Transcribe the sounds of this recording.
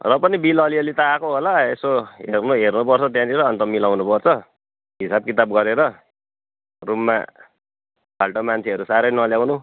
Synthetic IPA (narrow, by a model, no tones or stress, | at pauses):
rʌpʌnibilʌliʌlit̪ʌːkoɦolaesoɦernuɦernupʌrt͡sʰʌt̪jãd̪iɾʌːnt̪ʌmilawnupʌrt͡sʰʌ | ɦisab̚kit̪abɡʌɾeɾʌ | rumːa̰ | balʈʌmant͡sʰeʌɾusaɾʌjnʌljawnu